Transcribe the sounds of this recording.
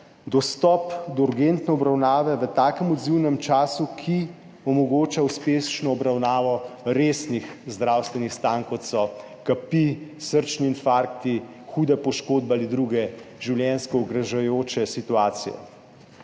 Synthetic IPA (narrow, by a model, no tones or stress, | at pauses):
d̪ɔst̪ɔpd̪ɔuɾɡent̪nɛɔbɾawnaːʋɛʋət̪aːkəmɔd̪ziwnɛmt͡ʃaːsukʰi | ɔmɔɡoːt͡ʃauspest͡ʃnɔːbɾawnaːʋɔɾeːsnixzd̪ɾaːwst̪ʋɛnixst̪aːnkɔt̪sɔ | kapisəɾt͡ʃniːnfaɾkt̪i | xuːd̪ɛpɔʃkoːd̪̚bɛaːlid̪ɾuɡɛʒiwljɛnskɔuɡɾaʒajoːt͡ʃɛsit̪uaːt̪sḭjɛ̰